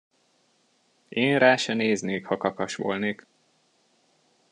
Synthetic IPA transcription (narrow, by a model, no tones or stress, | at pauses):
eːnraːʃɛneːzneːkhɒkɒkɒʃʋo̰ːlneːk